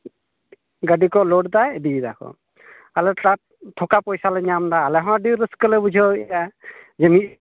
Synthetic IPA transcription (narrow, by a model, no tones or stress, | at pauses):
ɡəɖikɔlɔʈd̪ajbid̪a̰kʰɔ̰ | alɛʈa | t̪ʰɔkapɔjsalɛɲamdaːlɛɦɔ̃ãɖiɾəskəlɛbud͡ʒʱɔɛjad͡ʒɛmi